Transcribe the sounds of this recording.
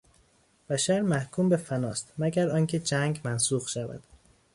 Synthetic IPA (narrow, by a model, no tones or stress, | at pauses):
b̥æʃæɾmæhkʰuːmbe̞fænɒːst̪mæɡæɾɒːncʰe̞d͡ʒæŋɡmænsuːɣʃævæ̰d̪̥